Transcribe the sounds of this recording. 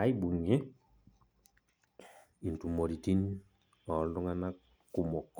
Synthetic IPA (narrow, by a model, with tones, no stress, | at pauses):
a˦i˦bu˨ŋe˦ | i˨n˨tu˨mɔ˨ɾi˨ti˦n˦ | ɔ˨˦dɔ˦ŋa˦na˦ | ku˨mɔ˨k